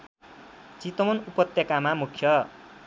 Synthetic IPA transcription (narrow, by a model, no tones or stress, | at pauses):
t͡sit̪ʌmʌnupʌt̪jʌkamamukʰjʌ